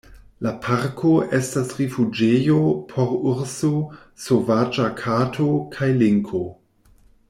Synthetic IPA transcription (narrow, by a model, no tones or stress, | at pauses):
lapʰaɾkʰoʔe̞stasɾifud͡ʒejopʰoɾuɾso | sovad͡ʒakʰatʰokʰajliŋkʰo